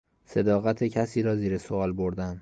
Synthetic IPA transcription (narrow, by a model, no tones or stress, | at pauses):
se̞d̪ɒːɣæt̪ʰecʰæsiːɾɒːziːɾe̞soɒːlboɾd̪æm